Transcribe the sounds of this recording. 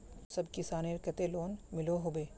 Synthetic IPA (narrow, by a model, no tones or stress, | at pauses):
sɐbkɪsaːneɾkɐt̪eloːnmɪloɦobeː